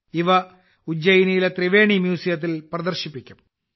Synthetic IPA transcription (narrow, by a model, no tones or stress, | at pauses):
iʋɐ | ud͡ʑɐjinijilet̪riʋe̞ːɳimjuːsijɐt̪̬ːilprɐd̪ɐrɕipːikʲːum